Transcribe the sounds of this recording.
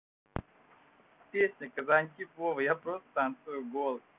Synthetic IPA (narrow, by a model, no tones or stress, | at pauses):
pʲesʲnʲəkɐzanʲkʲipovɨjapɾost̪ant̪sɨjʊɡolˠ